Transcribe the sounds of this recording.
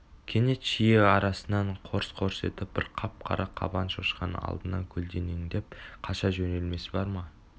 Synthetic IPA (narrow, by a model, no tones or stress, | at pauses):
kʲʰe̞ne̞t̪ʃijeɑɾɑsənɑɴqʰo̞ɾsqʰoɾse̞̰t̪ɪp̚b̥ɪɾqʰɑp̚qʰɑ̰ɾʔɑqʰːɑ̰bɑnʃoʃqɑnɑ̰lˠd̪ənɑ̰kʲʰɵld̪e̞neŋd̪e̞p̚qʰɑʃɑʒɵne̞lme̞sɪbɑɾmɑ